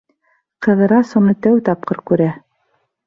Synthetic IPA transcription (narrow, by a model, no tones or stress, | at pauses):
qɤ̆ðɤ̆ɾɑsŏnɤt̪æwt̪ɑp̚qɤɾkʉɾæ